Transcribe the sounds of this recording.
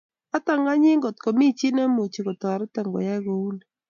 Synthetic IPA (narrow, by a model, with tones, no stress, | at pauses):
a˦t̪a˦˨ŋa˦ɲɪ˦ŋɡo˨t̪ko˨mi˦t͡ʃi˦nɛ˦mo˨t͡ʃi˨kɔ˨t̪ɔ˨ɾɛ˦tɛ˨ŋɡɔ̰˨ja˦ɡo˨u˦n˨